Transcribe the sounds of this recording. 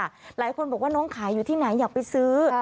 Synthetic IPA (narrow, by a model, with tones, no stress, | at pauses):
laː˨˩˦jkʰo˧nbɔː˨˩kwaː˥˩nɔː˦˥ŋkʰaː˩˦juː˨˩t̪ʰiː˥˩na˩˦jːaː˨˩k̚pa˧jsɯː˦˥